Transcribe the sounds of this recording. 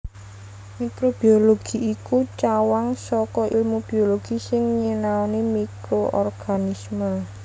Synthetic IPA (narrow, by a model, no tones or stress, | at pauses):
mikɾob̥ioloɡ̥iːkut͡ʃawaŋsɔkɔʔḭlmub̥ioloɡ̥isɪŋɲenaɔnimikɾoʔɔ̰rɡ̥anisma